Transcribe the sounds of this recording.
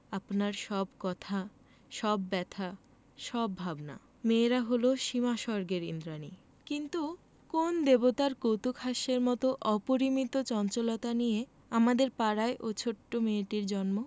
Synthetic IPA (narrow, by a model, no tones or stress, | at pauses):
apnaɾʃɔbkɔt̪ʰa | ʃɔbːɛt̪ʰa | ʃɔbʱabna̰ | meɾaɦoloʃimaʃɔɾɡeɾḭnd̪ɾani | kint̪u | kond̪ebot̪aɾkowt̪ukʰhaʃeɾmɔt̪oʔɔpoɾimit̪ot͡ɕɔnt͡ɕolot̪anije | amad̪eɾpaɾaeʔot͡ɕʰoʈːomeʈiɾd͡ʑɔnmo